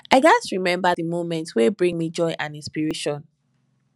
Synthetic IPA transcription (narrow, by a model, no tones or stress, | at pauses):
aɪɡasɹimɛ̃mbaðimomɛ̃ntwebɹĩŋmid͡ʒɔɪʔãnĩnspiɹeʃɔ̃n